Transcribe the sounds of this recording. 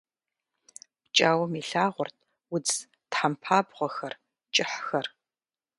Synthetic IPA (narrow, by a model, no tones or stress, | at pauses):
pt͡ʃʼaːwɔmiːɬaːʁʷʊrtʰ | wʊd͡z | tħampʰaːbʁʷɔxɐr | t͡ʃʼɪħxɐr